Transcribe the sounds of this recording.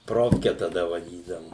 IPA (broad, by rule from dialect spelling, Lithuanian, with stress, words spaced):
ˈproːfʲkʲɛ tɐˈdɐ ʋɐˈdʲiːdɐʋʊ